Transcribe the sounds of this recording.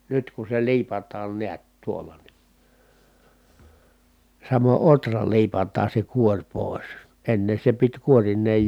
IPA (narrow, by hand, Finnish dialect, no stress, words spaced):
nyt ku se liːpɑtˑɑːn niæt tuolːɑ ni sɑmo ʔotrɑ liːpɑtˑɑːn̞ se kuorʲ poˑis enːe se pit kuorinˑeːj